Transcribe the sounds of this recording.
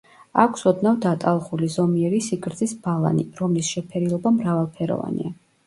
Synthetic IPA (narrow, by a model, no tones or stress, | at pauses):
akʷʰsɔd̪navd̪at̪ʼalˠχulizɔmiɛɾisiɡɾd̪zisb̥alˠa̰nḭɾɔmlisʃɛpʰɛɾilˠɔbamɾavalˠpʰɛɾɔ̰va̰nḭa